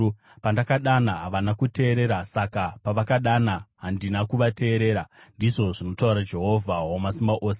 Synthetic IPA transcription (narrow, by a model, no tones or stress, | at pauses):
pandakaɗanaɦaʋanakute̞ːɾe̞ɾasakapaʋakaɗanaɦandinakuʋate̞ːɾe̞ːɾandiʐo̞ʐino̞tauɾad͡ʒe̞ɦo̞vʱawomasimbaʔo̞ːse̥